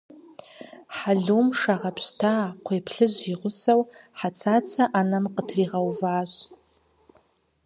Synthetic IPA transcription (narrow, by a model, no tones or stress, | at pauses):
ħaɮumʂaʁapʰɕʷtʰaːqʷʰejpʰɬɨʒʷiʁʷʊsawħat͡sʰat͡sʰaʔanamqʼətʰriʁawvaːʒʷ